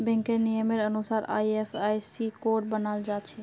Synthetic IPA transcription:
bɛ̃ŋkenijəmeɾənusaːɾa̰jepʰajsikoɾʈ̚bənald͡ʒat̪t͡ʃʰɛ

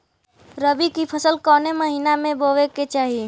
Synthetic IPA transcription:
ɾəbikipʰəsəlkɔːneməɦinamẽboʋeket͡ʃaːɦi

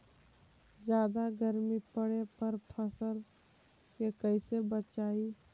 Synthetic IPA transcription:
d͡ʒjaːd̪aɡəɾmipəɽepəɾpʰəsəɾ | kekəɪsebətt͡ʃaːi

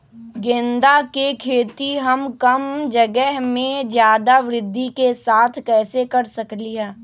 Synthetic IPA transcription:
ɡẽːnd̪akekʰeːt̪iɦɐmkɐmd͡ʒɐɡɛɦmẽd͡ʒjaːd̪aʋɾɪd̪ʱːikesaːt̪ʰkɛːsekɐɾsɐkliɦɛː

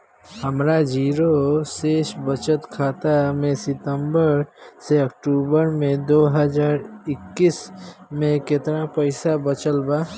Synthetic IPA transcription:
həmɾad͡ʒiːɾoseːʃbət͡ʃət̪kʰaːt̪amẽsɪt̪əmbəɾseɐkʈuːbəɾmẽd̪oːɦəd͡ʒaːɾɪkːismẽkɪt̪napəɪsabət͡ʃəlbaː

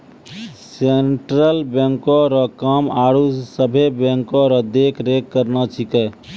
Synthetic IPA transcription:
seɳʈɾəlbẽŋkɔɾɔkəmaɽusəbʱebẽŋkɔɾɔd̪ekɾekːəɾnat͡ʃʰikɛ

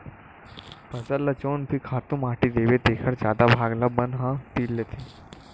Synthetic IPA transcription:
pəzəlːət͡ɕoːnpʰikʰat̪ũmaʈid̪eʋet̪ekʰəɾd͡ʑad̪abʱaɡlabənɦãt̪iːlːet̪ʰe

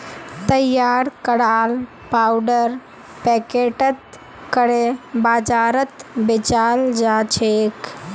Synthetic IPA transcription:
t̪əjːaːɾkəɽaːl | pawɖəɾ | pɛkeʈət̪̚ | kəɽebaːd͡ʒaːɾət̪bet͡ʃald͡ʒat͡ʃʰek

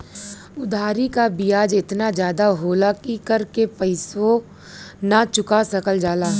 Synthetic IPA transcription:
ʊd̪ʱaːɾikabijaːd͡ʒɪt̪nad͡ʒjaːd̪aɦoːlakikɐɾkepɐɪsʋo | nat͡ʃʊkasɐkəld͡ʒaːlaː

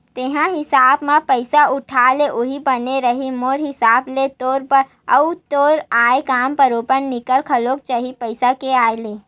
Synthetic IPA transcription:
t̪eɦãɦɪsaːbmãpəɪsaʔʊʈʰaːleʔʊɦibəneɾɐɦimoːɾɦɪsaːblet̪oːɾpəɾ | ɐʊt̪oːɾaːekaːmpəɾoːpənnɪkəlkʰɐloːk̚t͡ʃaɦipəɪsakeaːeleː

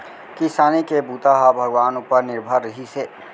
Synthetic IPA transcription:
kɪsaːnikebuːt̪aɦabʱɐɡʋaːnupəɾnɪɾbʱəɾɐɦiseː

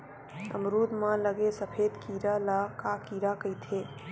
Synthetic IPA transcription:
ə̰mɾuːd̪mãləɡesəpʰeːd̪kiːɾalakakiːɾakəjt̪ʰe

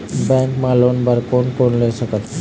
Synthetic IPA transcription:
bɛŋkmalonbaɾkonkonleʃɔkat̪

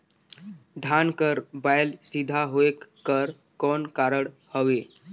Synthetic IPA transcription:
d̪ʱankəɾbajlsid̪ʱaɦoekːəɾ | kɔnkaɾəɽhəʋe

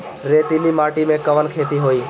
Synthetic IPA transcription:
ɾeːt̪iliːmaːʈimẽkəʋənkʰeːt̪iɦoːiː

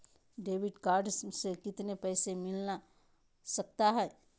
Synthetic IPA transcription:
ɖeːʋɪɖkaːɾɖssekɪt̪nepɛːsemɪlna | sɐk̚t̪aɦɛː

